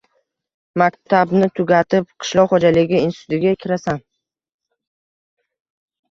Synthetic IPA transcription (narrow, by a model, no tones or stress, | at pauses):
makʲt̪ʰabnɪt̪ʰʊɡʲat̪ʰɪp̚qʰɨ̥ʃlˠɒʁχɒd͡ʒalɪɡʲɪɪnsɪt̪ʰʊt̪ɪɡʲakʲʰɪɾasan